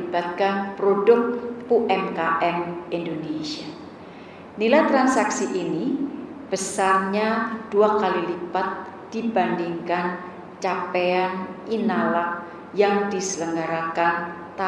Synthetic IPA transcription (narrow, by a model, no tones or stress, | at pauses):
ibat̪̚kanpɾodʊk̚uʔɛmkaʔɛmindonesia | nilajt̪ɾansaksiʔini | b̥əsarɲad̥uakalilibat̪̚ | d̥ibandiŋkan | t͡ʃapeanʔinalak̚ | jaŋdisələŋɡaɾakan | t̪a